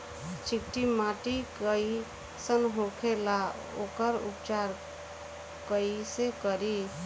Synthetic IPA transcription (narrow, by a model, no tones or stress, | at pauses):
t͡ʃʰikʈimaʈikəi | sənɦokʰela | o̰kəɾṵpt͡ʃaɾ | kəisekəɾi